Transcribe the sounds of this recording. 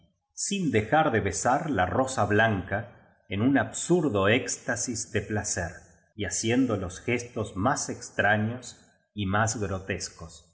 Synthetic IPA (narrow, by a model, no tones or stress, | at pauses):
sind̪exaɾðeβesaɾlaro̞saβlaŋka | enunaβsuɾðo̞ekst̪asizðeplaseɾ | iasjend̪olo̞sxest̪ozmasekst̪ɾaɲos | imazɣɾot̪eskos